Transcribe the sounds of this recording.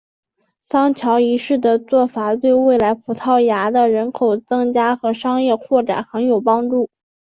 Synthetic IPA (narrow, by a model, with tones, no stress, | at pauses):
sɑ˥ŋt͡ɕʰjɑ˧˥ʊi˧˥ʂɻ̩˥˩d̪ə˩t͡swɔ˥˩fa˨˩t̪we˥˧ɪwe˥˩ɪla˧˥ɪpʰu˨˩t̪ʰɑ˥˩ʊja˧˥d̪ə˧ɻə˧˥nkʰo˨˩ʊt͡sɤ˥˧ŋt͡ɕja˥xɤ˧˥ʂɑ˥ŋjɛ˥˧kʰwɔ˥˩ʈ͡ʂa̰˨˩nxə˧˥njo˨˩ʊpɑ˥ŋʈ͡ʂu˥˩